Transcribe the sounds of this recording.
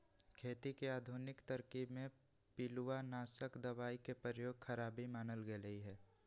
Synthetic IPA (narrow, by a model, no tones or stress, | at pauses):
kʰeːt̪ikeaːd̪ʱʊnɪkt̪əɾkibmẽ | piluwanaːsəkd̪əʋaːikepɾəjoːɡxʰəɾaːbimaːnəlɡeləiɦɛː